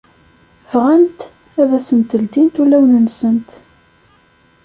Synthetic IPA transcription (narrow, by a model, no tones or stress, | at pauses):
vʁænt̪ | æðæsənt̪əld̪int̪ulːæwnənsənt̪